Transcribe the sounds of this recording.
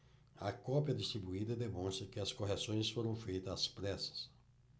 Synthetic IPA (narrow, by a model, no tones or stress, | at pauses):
ɐkɔpjɐd̪ist̪ɾibuid̪ɐd̪emõst̪ɾɐkɪɐskoɦesõj̃sfoɾɐ̃w̃fejt̪ɐzɐspɾɛsɐ̥s